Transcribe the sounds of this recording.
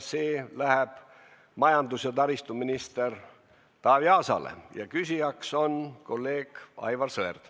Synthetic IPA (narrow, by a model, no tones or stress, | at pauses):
seːlæheb̥ | mɑjɑnd̪usjɑt̪ɑɾist̪uminist̪er | t̪ɑːviɑːsɑ̰lḛjɑkysʲijɑkso̞nko̞lːe̞ːɡ̥ɑ̰jvɑrsɤerd̪̥